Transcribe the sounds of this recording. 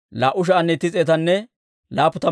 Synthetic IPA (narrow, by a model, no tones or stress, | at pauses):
laːʔʊʃ̬ɐɐnːɛt̪ːɪt͡sʼeːt̪ɐnːɛ | laːpːʊt̪ɐ